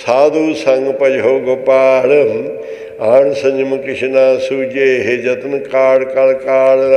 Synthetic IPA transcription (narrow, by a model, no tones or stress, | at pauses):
saːd̪uːsɐŋɡpɐd͡ʒɦoːɡopaːɽɐm | aːɳsɐɲd͡ʒmkɪʃinaːsuːd͡ʒeɦed͡ʒɐt̪nkaːɽkɐlkaːɽ